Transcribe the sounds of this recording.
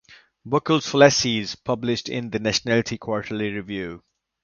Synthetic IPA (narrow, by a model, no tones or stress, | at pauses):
bʊkəlˠz̥flɛsiz̥pʰʌblɪʃtɪ̰̃nðənæʃənælɪtʰikʰw̥ɔɹtʰəl̩ˠiɹɪvjʉː